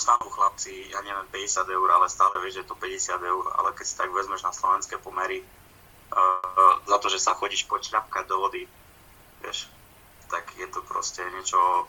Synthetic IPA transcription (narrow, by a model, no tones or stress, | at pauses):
st̪aluxlap̚t͡sijaɲɛʋɪjɛmpɛɟɛsɪad̪ɛuɾalɛst̪aːlɛʋɪɛʒjɛt̪ɔpɛɟɛsɪad̪ɛuɾa̰lɛkɛcsi̥t̪aɡʋɛzmɛʒnaslɔʋɛnskɛːpɔmɛɾi | zat̪ɔʒɛsaxɔɟiːʃpɔt͡ʃlap̚kaɟ̚d̪ɔʋɔd̪i | ʋɪɛ̰ʃ | t̪aɡjɛt̪ɔpɾɔ̰scɛɲɛt͡ʃɔ